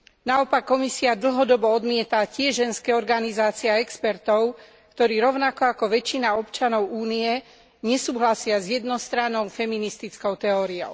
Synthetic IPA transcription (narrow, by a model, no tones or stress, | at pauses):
naɔpakːɔmisiad̪l̩ɦɔd̪ɔbɔɔd̪mɪɛt̪acɪɛʒʒɛnskɛːɔɾɡanizaːt͡siɛaɛkspɛɾt̪ɔʊ | kt̪ɔɾiːɾɔʊnakɔakɔʋɛt͡ʃːinaɔpt͡ʃanɔʊuːniɛ | ɲɛsuːɦlasɪazjɛd̪nɔst̪ɾanɔʊfɛminist̪it͡skɔʊt̪ɛɔːɾiɔ̰ʊ